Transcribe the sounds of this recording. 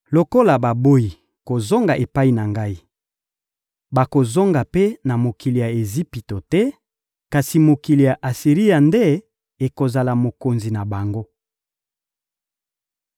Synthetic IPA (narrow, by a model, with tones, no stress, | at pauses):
lo˨ko˦la˨ba˨bo˦i˨ | ko˨zo˦ŋɡa˨ʔe˨pa˦i˨na˨ŋɡa˦i˦ | ba˨ko˨zo˦ŋɡa˨pe˦na˨mo˨ki˨li˨ja˨e˨zi˦pi˨to˨tɛ˦ | ka˨si˨mo˨ki˨li˨ja˨ʔa˨si˨ʁi˦ja˨nde˦ | e˨ko˨za˨la˨mo˨ko˨nzi˨na˨ba˨ŋɡo˦